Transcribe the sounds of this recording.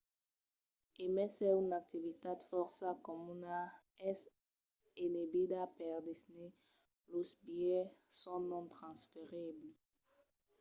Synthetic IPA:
emɛsɛynak̚t̪ivit̪ad̪fɔʁsakomuna | ɛs | enebid̪apɛʁd̪esni | losbjɛsɔ̃nɔ̃nt̪χãnsfeʁible

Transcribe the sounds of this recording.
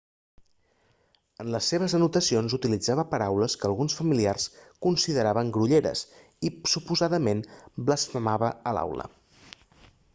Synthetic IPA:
ənləsːeβ̞əzənut̪əsionzut̪ilid͡zaβəpəɾawləskəːlˠɣunsfəmiliarskunsiðəɾaβəŋɡɾuʎeɾə̰s | isupuzaðəmenbləsfəmaβəəla̰wlə̰

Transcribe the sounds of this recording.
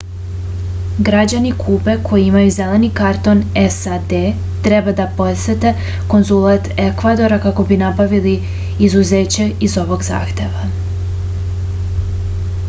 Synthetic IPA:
ɡɾad͡ʑanikʰuːbe̞kʰo̞jiimajuze̞le̞nikaɾt̪o̞nesad̪e | t̪ɾe̞bad̪apo̞t̪set̪e̞ | ko̞nzulˠat̪ekʋad̪o̞ɾakako̞binabaʋili | izuze̞ːt͡ɕe̞izo̞ʋo̞ɡza̰ːxt̪e̞ʋa

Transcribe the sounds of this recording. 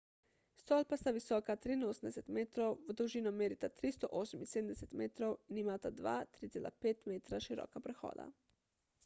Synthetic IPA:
st̪ɔːlpast̪aʋisɔːkat̪ɾinoːsən̩d̪ɛsɛt̪meːt̪ɾowʋd̪uwʒiːnɔmeːɾit̪at̪ɾist̪ɔʔoːsəminseːd̪mnd̪ɛset̪meːt̪ɾowinimaːt̪ad̪ʋa̰ːt̪ɾit̪seːlʔa̰peːt̪meːt̪ɾaʃiɾɔ̰ːkapɾɛxɔ̰ːd̪a̰

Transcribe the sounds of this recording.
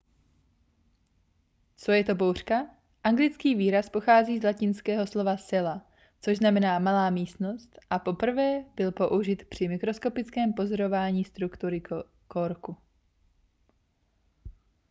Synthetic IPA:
t͡so̞jɛt̪o̞bowr̝̥ka | ʔaŋɡlɪt͡skiːviːɾaspo̞xaːziːzlacɪnskɛːɦo̞slo̞vasɛla | t͡soʒznamɛnaːmalaːmiːst̪no̞st̪ʔapo̞pr̩vɛːb̥ɪlpo̞ʔuʒɪt̪pr̝̥ɪmɪkɾo̞sko̞pɪt͡skɛːmpo̞zoɾo̞vaːɲiːst̪ɾukt̪uɾɪ | koɾku

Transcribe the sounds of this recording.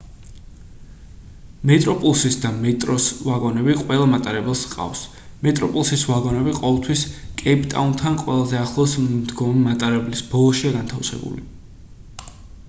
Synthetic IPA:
mɛt̪ʼɾɔpʼulˠsisd̪amɛt̪ʼɾɔsvaɡɔnɛbiqʼwɛlˠamat̪ʼaɾɛbɛlˠsqʼa̰fs | mɛt̪ʼɾɔpʼulˠsisvaɡɔnɛbiqʼɔvɛlˠt̪ʰwiskʼɛpʰʼt̪ʼa̰unt̪ʰanqʼwɛlˠazɛaχlˠɔsmd̪ɡɔmimat̪ʼaɾɛblisbɔlˠɔʃiaɡant̪ʰafsɛ̰bṵlḭ

